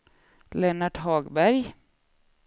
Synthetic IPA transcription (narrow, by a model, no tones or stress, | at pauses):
lɛːnaʈɦɑːɡbæɾj